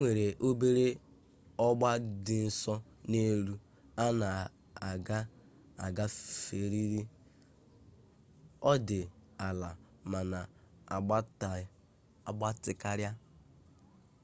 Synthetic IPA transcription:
ŋʷe˨ɾe˨ʔo˦be˦ɾe˦ | ɔ˦ɡ͡ba˦dɪ˨n̩˨sɔ˦ | ne˦ɾu˦ | a˦na˨ | a˨ɡa˦ | a̰˨ɡa˦fe˨ɾi˦ɾi˦ | ɔ˦dɪ˨a˨la˨ | ma˨na˨˦˨ | ɡ͡ba˦tɪ˨ka˦ɾja˦

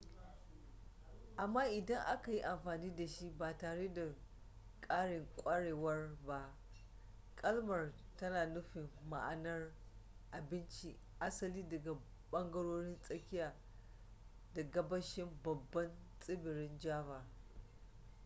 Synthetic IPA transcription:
ʔa˨mːaː˦ʔɪ˨dɐ˦ŋʔa˦ka˨ji˦ʔa˨mɸaː˨niː˦da˨ʃi˦baː˨taː˨ɽeː˦da˨ | kʼaː˦ɽɪ˨ŋkʷʼɐ˦ɽeː˨wɐ˦rba˦ | kʼɐ˦lmɐ˨r | tɐ˦naː˨nʊ˦ɸɪ˨mːa̰˨ʔa˨nɐ˦r | ʔa˨bɪ˦nt͡ʃi˦ | ʔa˦sɐ˦liː˦dɐ˨ɡa˨ | ɓɐ˦ŋɡɐ˦ɽoː˦ɽɪ˦nsʼɐ˦kʲɪ˦jaː˨ | da˨ɡɐ˦bɐ˦ʃɪ˦mbɐ˨bːɐ˦nsʼɪ˦bɪ˨ɾɪ˦nd͡ʒaː˦baː˨

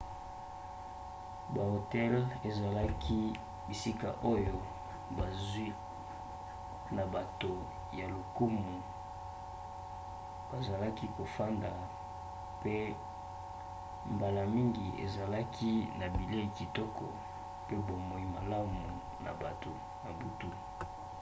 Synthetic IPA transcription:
ba˨o˨tɛ˦le˨za˨la˦kʰi˦ | bi˨si˦ka̰˨ʔo˦jo˦ | ba˨zwi˦ | na˨ba˨to˨ | ja˨lo˨ku˦mu˨ | b̥a˨za˨la˦ki˦ko˨fa˦nda˨ | pe˦ | mba˨la˨mi˦ŋɡi˨ʔḛ˨za˨la˦kʰi˦na˨bi˨le˦i˨ki˨tɔ˦kɔ˨ | pe˦bo˨mɔ˨i˨ma˨la˦mu˨ | na̰˨ba˨to˨ | na˨bu˨tu˦˨

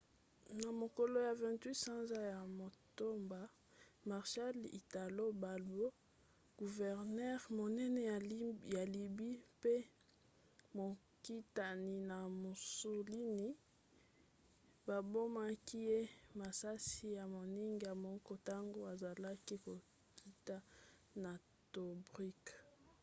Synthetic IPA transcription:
na˨mo˨ko˨lo˦ja˨vɛ̃˨ntwi˦tsã˦nza˦ja˨mo˨to˦mba˨ | ma˨ʁʃa˦li˨ta˨lo˦ba˨o˦ | ɡ̥u˨vɛ˨ʁnɛ˦ʁmo˨nɛ˦nɛ˨jja˨li˨bi˦pe˦ | mo˨ | ki˦ta˨ni˨na˨mo˨su˨li˦ni˦ | ba˨bo˦ma˦ki˦je˦ma˨sa˦si˦ja˨mo˨ni˦ŋɡi˨ja˨mɔ˦kɔ˦ta˦ŋɡo˦a˨za˨la˦ki˦ko˨ | ki˦ta˦ | na˨ | to˨bʁi˦k

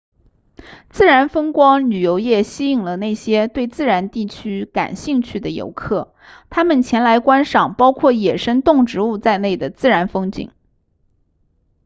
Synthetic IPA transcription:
t͡sɹ̩˥˩ɻa˧˥nfɤ˥ŋkwɑ˥ŋly˨˩jo˧˥ʊjɛ˥˩ɕi˥i˥˩ŋlə˩ne˥˩ɪɕjɛ˥t̪we˥˧ɪt͡sɹ̩˥˩ɻa˧˥nt̪i˥˩t͡ɕʰy˥ka̰˨˩nɕi˥˧ŋt͡ɕʰy˥˩d̪ə˩jo̰˧˥ʊkʰɤ˥˩ | t̪ʰa˥mə˨nt͡ɕʰjɛ˧˥nla˧˥ɪkwa˥nʂɑ˨˩ŋpɑ˥ʊkʰwɔ˥˩jɛ˨˩ʂə˥ŋt̪ʊ˥˩ŋʈ͡ʂɻ̩˧˥u˥˧t͡sa˥˧ɪne˥˩ɪd̪ə˩t͡sɹ̩˥˩ɻa˧˥nfɤ˥ŋt͡ɕḭ˨˩˦ŋ

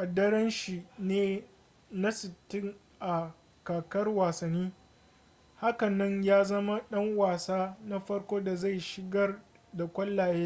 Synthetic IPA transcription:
ʔa˨dːɐ˦ɾɐ˦nʃi˨neː˦ | na˦sɪ˨tːɪ˦ŋ | ʔa˨ | kaː˨kɐ˦rwaː˨sɐ˨nːiː˦ | ha˦kɐ˨nːɐ˦ɲjaː˦zɐ˦ma˦ɗɐ˦ŋwaː˨saː˦na˦ɸɐ˦ɽkʷoː˦da˨za˦˨jʃɪ˨ɡɐ˦r | da˨kʷɐ˦lːaː˨jeː˦

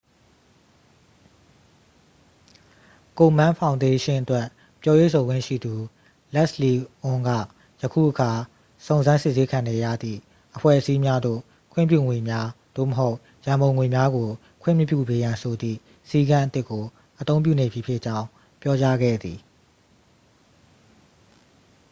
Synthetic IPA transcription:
ko˨mã˦pʰã˨ʊ̃nde˦ʃɪ̃˦ʔətwɛ˦˨ | pjɔ˦jwe˦˨sʰo˨ɡwɪ̰̃˦˨ʃḭ˦˨d̪u˨ | lɛ˦ʔsli˨ʔʊ̃˦ŋɡä̰˦˨ | jəkʰṵ˦˨ʔəkʰa˨ | sõ˨ʊ̃nzã˦nsɪ˦ʔse˦kʰã˨nɛ˨ja̰˦˨d̪ðḭ˦˨ | ʔəpʰwɛ̰˦˨ʔəsi˦mja˦d̪o̰˦˨ | kʰwɪ̰̃˦˨mp̬jṵ˦˨ŋwe˨mja˦d̪̥o̰˦˨məɦo˦ʊʔ | jã˨mbõ˨ʊ̃ŋwe˨mja˦ɡo˨ | kʰwɪ̰̃˦˨m˦pjṵ˦˨be˨jã˨nsʰo˨d̪ðḭ˦˨ | si˦ɡã˦ʔət̪ɪ˦kːo˨ | ʔət̪õ˦ʊ̃mpjṵ˦˨ne˨bji˨pʰjɪ˦ʔt͡ɕã˦ʊ̃ | pjɔ˦t͡ɕa˦ɡɛ̰˦˨d̪ði˨

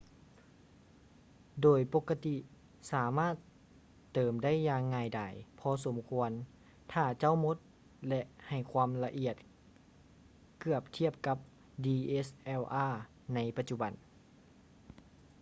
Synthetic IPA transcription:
doː˨˩jpo˧˥kːa˧t̪i˧ | saː˨˦maː˥˩t̪ː | ɤː˨˩mda˥˨jːaː˧ŋːaː˧˩jda˨˩jpʰɔ˧so˩˦mkʰu˧ən | t̪ʰaː˧˩t͡ɕa˧˥˨wmo˧˥t̪̚ | lɛ˧ʔha˨˩jkʰwaː˧˥mla˧ʔi˧˩ət̪̚ | kɯ˧˩əp̚t̪ʰi˥əp̚ka˧˦p̚ | diː˧ʔe˦˥sʔɛː˧˩wʔaː˧˥˩ | na˧˥jpa˧t̪̚t͡ɕu˧ba˨˩˦n

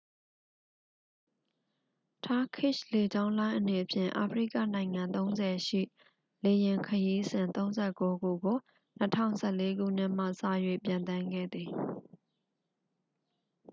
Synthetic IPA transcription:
tʰa˦kʰɪ˦˨ʃle˨d͡ʑã˦ʊ̃nlã˦ɪ̃ʔəne˨ʔəpʰjɪ̰̃˦˨ʔa̰˨pʰəɹḭ˦˨ka̰˦˨nã˨ɪ̃ŋã˨nt̪õ˦ʊ̃nzɛ˨ʃḭ˦˨ | le˨jɪ̃˨ŋkʰəji˦zɪ̃˨nt̪õ˦ʊ̃zɛ˦˨ko˦ɡu˦˨ɡo˨ | nətʰã̰˦˨ʊ̃sʰɛ˦˨le˦ɡṵ˦˨n̥ɪ˦˨m̥ä̰˦˨sa̰˦˨jwḛ˦˨pjã˨nt̪ã˦ŋɡɛ̰˦˨d̪ði˨

